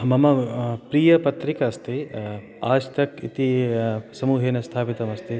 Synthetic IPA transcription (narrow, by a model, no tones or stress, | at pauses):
mɐmɐpɾiːjɐpɐt̪ɾikɐːst̪ʰe | aːʃt̪ɐkḭt̪isɐmuːɦeːnɐst̪ʰaːpit̪ɐmɐst̪ʰe